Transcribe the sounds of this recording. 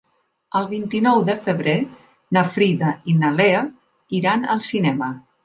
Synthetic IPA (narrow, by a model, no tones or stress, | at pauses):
əlˠβint̪inɔwðəfəβɾe | nəfɾiðainaleə | iɾanə̰lˠsinɛmə